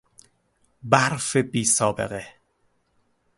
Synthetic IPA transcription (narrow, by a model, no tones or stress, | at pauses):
baɾfebiːsɒːbḛɣe